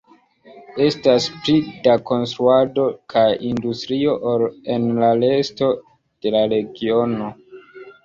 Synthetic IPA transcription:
e̞stasplidako̞nstɾuado̞kʰajindustɾio̞ʔole̞nlale̞sto̞ | d̥e̞laɾe̞ɡio̞no̞

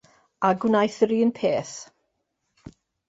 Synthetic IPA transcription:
aɡwnajθriːənpʰeːθ

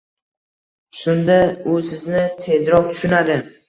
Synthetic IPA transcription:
sʊnd̪aʊsɪznɪt̪ʰe̞zɾɒq̚t̪ʰʊ̥ʃʊnad̪ɪ

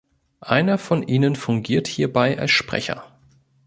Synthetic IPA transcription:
ʔaɪnɐfɔnʔiːnənfʊŋɡiːɐthiːɐbaɪʔa̰lsʃpʁ̥ɛ̰çɐ̰

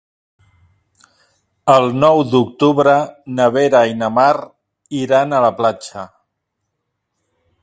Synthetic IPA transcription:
əlˠnɔwd̪uk̚t̪uβɾənəβeɾainəmaɾ | iɾanələplat͡ʃə

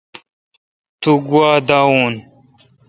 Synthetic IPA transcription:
t̪uɡwaːd̪auːn

